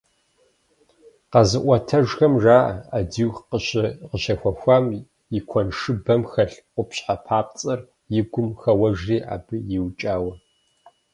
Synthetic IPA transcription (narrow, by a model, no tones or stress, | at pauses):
qɐzɨʔʷɔtʰɐʒxɐmʒaːʔɐ̰adiwxqəɕɪqəɕɐxʷɔxʷaːm | jɪkʷʰɔnʂɨbɐmxɐɬqʷʊpɕħapʰaːp̚ʼt͡sʼɐr | jɪɡʷʊmxɐwɐʒriːʔa̰ːbɨjɪwt͡ʃʼaːwɐ